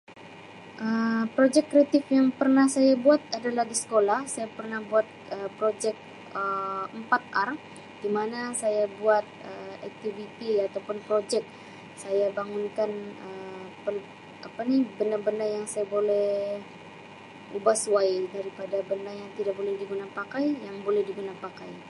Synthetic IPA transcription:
ʔəpɾod͡ʒɛkːɾeat̪ɪfjaŋpərnahsajabuat̪̚adalahdisə̥kolahsajapərnahbuat̪̚əpɾod͡ʒɛk̚ | əəmpat̪̚ar | d̥imanasajabuat̪̚əɛk̚t̪ivit̪iat̪awpʊnpɾod͡ʒɛk̚ | sajabaŋunkanəpəl | apanibəndarbəndarjaŋsajabolɛh | ʔubahsuwaidaɾipadabəndarjaŋt̪idaʔk̚bolɛhdiɡunapakajjaŋbolɛhdiɡunapakaj

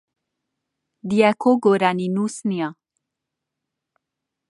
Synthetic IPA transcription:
d̪ijɛkʰoɡoɾaninusnia

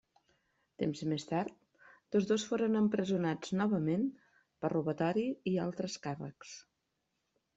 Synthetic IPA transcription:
t̪emzmest̪aɾt̪̚ | t̪ozðosfoɾənəmpɾəzunad͡znɔβəmen | pəruβət̪ɔɾiialˠt̪ɾəskarə̰ks

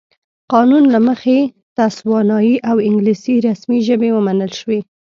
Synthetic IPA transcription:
qɑnunlaməxe | t̪aswɑnɑjiʔawɪŋɡlisiɾasmiʒəbewəmanəlʃwe

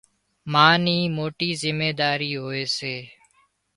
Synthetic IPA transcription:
maːniːmoːʈiːzɪmeːd̪aːɾiːɦoːeːseː

